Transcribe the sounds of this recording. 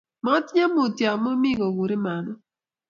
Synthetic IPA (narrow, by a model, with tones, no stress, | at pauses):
mɔ˦tɲa˦mo˨tja˨mo˦mɪ˦ɡɔ˨wu˨ɾi˦ma˨nɔ˦